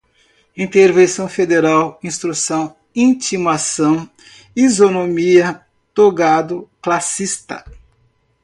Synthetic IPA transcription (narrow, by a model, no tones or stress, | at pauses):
ĩt̪eɾvẽsɐ̃w̃fed̪eɾawĩst̪ɾusɐ̃w̃ | ĩt͡ʃimasɐ̃w̃ | izonomiɐ | t̪oɡad̪ʊklasist̪ɐ̰